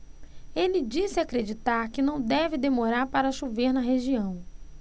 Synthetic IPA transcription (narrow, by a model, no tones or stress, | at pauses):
elɪd͡ʒisɪakɾed͡ʒit̪aɾkɪnɐ̃w̃d̪ɛvɪd̪emoɾaɾpaɾɐʃuveɾnɐɦeʒiɐ̃w̃